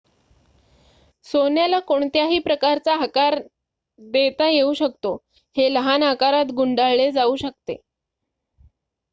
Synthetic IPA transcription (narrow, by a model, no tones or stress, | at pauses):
sonjalakoɳt̪jaɦiːpɾəkaɾt͡saɦakaɾ | d̪et̪ajeuɕəkt̪o | heləɦanakaɾat̪ɡuɳɖaɭɭed͡zauːɕək̚t̪ḛ